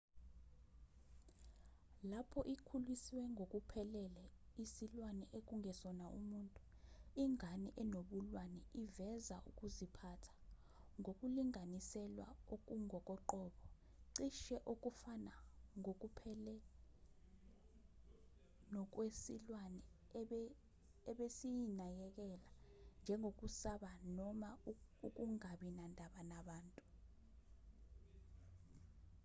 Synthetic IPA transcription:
lapʰɔʔikʰulwisiwɛŋʱokʼupʰɛlɛlɛisilwanɛʔek̬ʼuŋʱɛsɔnaʔṵmuːntʼu | iŋʱaniʔɛnoɓulwanɛʔivɛza̰ʔṵkʼuzipʰatʰḁ | ŋʱokʼuliŋʱanisɛlwa̰ok̬ʼuŋɔkʼɔǃɔːɓɔ | ǀiʃɛʔok̬ʼufanaŋok̬upʰɛlɛ | nɔk̬wesilwanɛ | ɓ | ɛɓesijinajɛk̬ɛland͡ʒʱɛŋʱok̬ʼusaɓanɔmauk̬ʼuŋaɓinandʱaɓanaɓaːntʼu

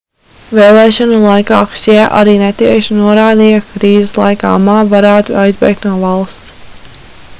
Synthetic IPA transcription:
veːlˠɛːʃɔnulˠajkɑːkʃiʔa̰ɾiːnɛt̪iɛʃinuɔɾaːd̪iːjakɾiːzeslˠa̰jka̰ːmaːvaɾæːt̪uajzbɛ̰jk̚t̪nuɔvalˠst̪s

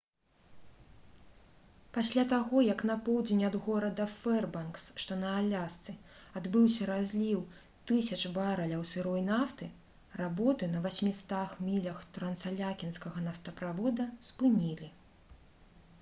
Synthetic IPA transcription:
pasʲlʲat̪aɣɔjɐkn̪ɐpɔwd͡zʲenʲɐd̪ɣɔɾɐd̪ɐfɛrbanksʂt̪ɔnɐalʲast̪sɨad̪bɨwsʲɐɾazʲlʲiw | t̪ɨsʲɐt͡ʂbaɾɐlʲɐwsɨɾɔjnaft̪ɨ | rabɔt̪ɨnɐvasʲmʲist̪axmʲilʲɐxt̪ɾɐnt̪salʲakʲinskɐɣɐnɐft̪ɐpɾavɔd̪ɐspɨnʲilʲi

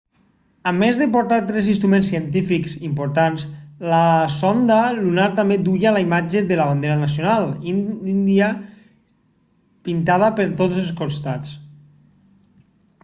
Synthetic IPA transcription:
əmːezðəpoɾt̪at̪ɾɛzinst̪ɾumẽnsiənt̪ifiksimpoɾt̪ansləsond̪əlunaɾt̪ambed̪uʎalaimad͡ʒeðələβand̪eɾənas̬ijonalˠinnd̪iə | pint̪að̞əpəɾt̪od͡zəlˠskost̪at͡s

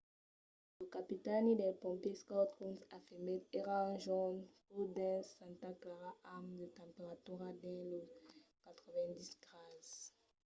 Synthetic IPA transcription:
lokapit̪anid̪ɛlpɔ̃mpjeskɔt̪ʁunsafimet̪eʁãʒɔnkud̪ɛ̃sãnt̪aklaʁaamd̪ət̪ãmpeʁat̪uʁad̪ɛ̃lokat̪ʁəvɛ̃d̪isɡʁaz

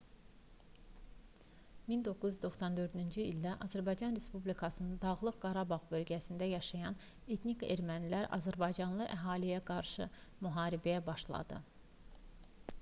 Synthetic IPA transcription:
mind̪o̞kʰːuzyzd̪o̞χsɑnd̪ø̞ɾd̪ynd͡ʒiild̪æʔɑzæɾbɑjd͡ʒɑnɾe̞spublikʰɑsɯnɯnd̪ɑʁlˠɯqɡɑɾɑbɑʁbø̞lɟæsind̪æjɑʃɑjɑn | e̞t̪ʰnike̞̰ɾmænilæɾʔɑ̰zæɾbɑjd͡ʒɑnlˠɯʔæɦɑːlijæɡɑɾʃɯmyɦɑːɾibæjæbɑʃlˠɑ̰d̪ɯ̰

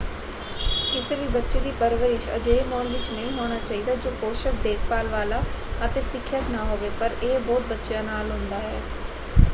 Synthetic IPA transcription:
kɪseːʋiːbətːʃeːd̪iːpəɾʋəɾɪʃə̰d͡ʒeːmɔːnʋɪt͡ʃnəɦĩːɦoːɽ̃aːt͡ʃaːiːd̪aːd͡ʒoːkoːʃək̚d̪eːkʰpaːlʋaːlaːət̪eːsɪkʰːjət̪naːɦoːʋeːpəɾeːbɔːt̪̚bətːʃjaːnaːlɦʊ̃nd̪aːɦɛ̰ː

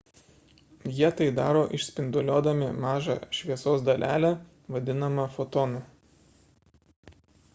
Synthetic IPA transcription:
jiɛt̪ɐɪd̪ɑːɾoːʔɪʃʲsʲpʲɪnd̪ʊlʲoːd̪ɐmʲɪmɑːʒɑ̰ʃʲʋʲiɛsoːs̬d̪ɐlʲʔæːlʲæ | ʋɐd̪ʲɪnɐmɐfɔt̪ɔːnɐ

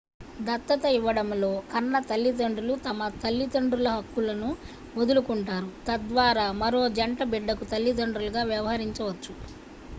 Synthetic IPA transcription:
d̪ɐt̪ːɐt̪ɐiʋːɐɽɐmlo̞ːkɐnːɐt̪ɐlːid̪ɐɳɖɾulut̪ɐmɐt̪ɐlːit̪ɐɳɖɾulɐɦɐkːulɐnu | od̪ulukuɳʈaːɾut̪ɐd̪ʋaːɾaːmɐɾo̞ːd͡ʒɐɳʈɐbiɖːɐkut̪ɐlːid̪ɐɳɖɾulɐɡaːʋjɐʋɐɦɐɾiɲt͡ʃɐʋɐt͡ʃːu

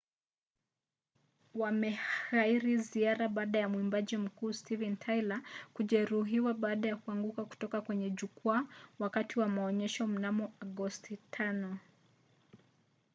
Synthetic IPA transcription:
wamɛhaiɾiziaɾaɓaːɗajamwimbaʄim̩kuːstivɛntʰajlakuʄɛɾuɦiwaɓaːɗajakuaŋɡukaku̥tɔkakwɛɲɛʄukuawakatiwamaɔɲɛʃɔm̩namɔaɡɔstitʰanɔ

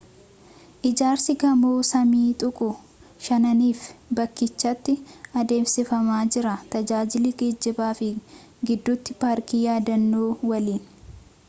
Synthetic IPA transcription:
ʔɪd͡ʒaːɾsɪɡɐmoːsɐmiːt̪ʼʊkʼʊ | ʃɐnɐniːfbɐkːɪt͡ʃːɐt̪ːɪɐd̪e̞ːmsɪfɐmaːd͡ʒɪɾɐt̪ɐd͡ʒaːd͡ʒɪliɡeːd͡ʒːɪbaːfɪ | ɡɪd̪ːʊt̪ːɪpaːɾkijaːd̪ɐnːoːwɐliːn

